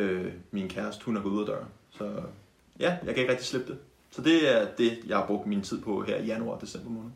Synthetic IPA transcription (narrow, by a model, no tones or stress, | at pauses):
øminkʰæɐsd̥hunæɡ̥uðˠɐd̥ɶɐsɒ̽ | jæjɑ̈ɪkʰæeɡ̥ʁɛɡ̥̚d̥isle̝b̥̚d̥e̝ | sɒ̽d̥e̝æɐd̥e̝jɑ̈ɪhɑ̈b̥ʁɔ̽ɡ̥̚d̥mint͡sʰið̞̰ˠpʰɒ̽ɦeɐ̰ijænuɑ̰̈ːd̥e̝sem̰b̥ɐmɔ̽ːnð̩ˠ